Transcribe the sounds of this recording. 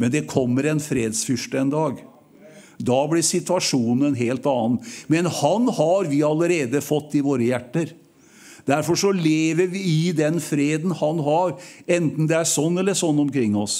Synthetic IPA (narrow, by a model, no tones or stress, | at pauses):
mɛnd̪ɛkʰɔmːəɾɛnfɾeːd̪sfʏʂʈəɛnd̪ɑːɡ | d̪ɑblɪɾsɪt̪ʋɑʂuːnɛnɦeːlt̪ɑːn̩mɛnhɑnhɑɾʋɪɑləɾeːd̪əfɔt̪ːɪʋoːɾəjæʈːəɾ | d̪̥æɾfɔʂɔleːʋəɾʋɪɪd̪ɛnfɾeːd̪n̩hɑnɦɑɾɛnt̪n̩d̪ɛæʂɔnːɛlːəʂɔnːɔmkʰɾɪŋːɔs